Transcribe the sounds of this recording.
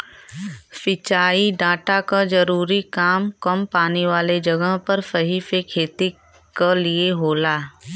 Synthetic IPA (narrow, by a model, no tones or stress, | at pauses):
fɪt͡ʃaːiɖaːʈakad͡ʒɐɾuːɾikaːmkɐmpaːniʋaːled͡ʒɐɡəɦpɐɾsəɦifekʰeːt̪i | kalieɦoːlaː